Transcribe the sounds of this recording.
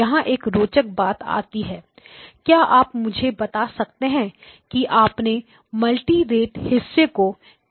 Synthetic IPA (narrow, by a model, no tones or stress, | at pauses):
ɐɦãʔeːkɾoːt͡ʃək̚baːt̪a̰ːt̪iɦɛː | kjaːʔaːpmʊd͡ʒʱebɐt̪asɐk̚t̪eɦɛ̃kiʔaːpne | mɐlʈiɾeːʈhɪsːeko